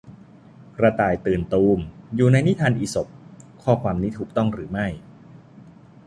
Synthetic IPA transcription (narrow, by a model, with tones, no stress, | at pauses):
kɾa˧t̪aː˨˩jt̪ɯː˨˩nt̪uː˧mjuː˨˩na˧jni˦˥t̪ʰaː˧nʔiː˨˧so˨˩p̚kʰɔː˥˩kʰwaː˧mniː˦˥t̪ʰuː˨˩k̚t̪ɔ˥˩ŋɾɯː˩˦ma˥˩j